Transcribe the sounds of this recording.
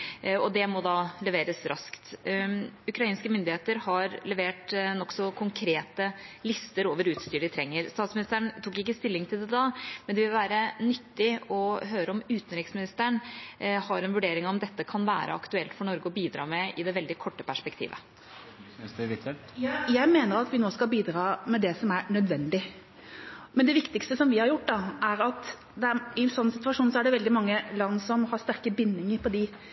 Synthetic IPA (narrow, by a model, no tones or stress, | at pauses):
ɔd̪ɛmɔd̪ɑːlɛʋeːɾəsɾɑskt̪ | ʉkɾɑiːnskəmʏnd̪ɪheːt̪əɾhɑɾlɛʋeːʈnɔksɔkʰʊŋkʰɾeːt̪əlɪst̪əɾoːʋəɾʉːt̪st̪yːɾɖɪt̪ʰɾɛŋːəɾst̪ɑːt̪smɪnɪst̪əɳt̪ʰuːkːɪkːəst̪ɪlːɪŋt̪ʰɪld̪ɛd̪ɑːmɛnd̪ɛʋɪlʋæːɾənʏt̪ːɪɔɦøːɾəɔmʉːt̪ənɾɪksmɪnɪst̪əɳhɑɾɛnʋʉɖeːɾɪŋɔmd̪ɛt̪ːəkʰɑnʋæ̰ːɾə̰ɑ̰kt̪ʉɛlt̪fɔɳɔɾɡəɔbiːd̪ɾɑ̰ːmɛɪd̪ɛʋɛld̪ɪkʰɔʈːəpʰæʂpɛkt̪ʰḭːʋə̰ | jæɪmeːnəɾɑt̪ʋɪnoːskɑbiːd̪ɾɑːmɛd̪ɛsɔmæɾɳœd̪ʋɛnd̪ɪ | mɛnd̪ɛʋɪkt̪ɪkst̪əsɔmʋɪhɑɾjʊʈːd̪ɑʔæɾɑt̪ | d̪ɛæɪsɔnːsɪt̪ʋɑʂuːnsɔæɖɛʋɛld̪ɪmɑŋːəlɑnːsɔmhɑʂt̪æɾkəbɪnːɪŋəɾpʰɔd̪ɪ